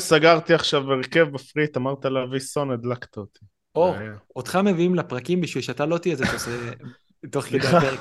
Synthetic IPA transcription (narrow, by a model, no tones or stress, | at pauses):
saɡaʁt̪iaχʃavbeʁekevbafʁit̪amaʁt̪alavisoned̪lakt̪aot̪i | ood̪χameviimlepʁakimbiʃwilʃat̪alot̪iezet̪oze | toχkedeapek